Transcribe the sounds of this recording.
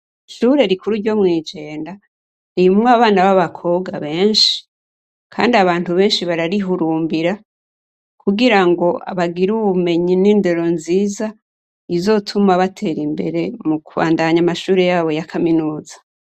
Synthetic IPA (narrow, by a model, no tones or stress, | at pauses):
ʃuːɾe̞ɾikuɾuɾɟo̞mŋiːd͡ʒe̞ːnda | nijumŋaβaːnaβaβakʰo̞ɡaβe̞ːnʃi̥ | kʰa̰ːndiaβaːntuβe̞ːnʃiβaɾaɾiɦuɾuːmbiɾa | kʰuɡiɾaŋɡo̞ʔa̰βaɡiɾuβume̞ɲiniːnde̞ɾo̞nziːza | izo̞tʰumaβatʰe̞ːɾimbe̞̰ɾe̞mukuβa̰ːndaɲamaʃuːɾe̞jaːβo̞jakʰaminuːzḁ